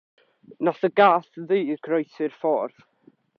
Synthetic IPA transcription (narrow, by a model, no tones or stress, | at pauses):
nasəɡaːθðiːrɡrɔjsɪrfɔrð̥